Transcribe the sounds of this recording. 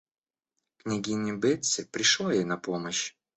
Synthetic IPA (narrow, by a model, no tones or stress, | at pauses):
knʲɪɡʲinʲɪbɛt̪sɨpɾʲɪʂlˠajejnɐpoməɕ